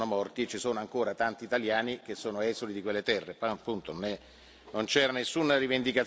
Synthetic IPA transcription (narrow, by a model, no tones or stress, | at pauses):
nomɔrt̪iet͡ʃːisoːnoaŋkoːɾat̪ant̪iːt̪aljaːnik̟esːoːnoɛːzolid̪ikwelːet̪ɛrːepɔpːunt̪ononɛ | nont͡ʃɛːɾanesːunarivend̪ikat̪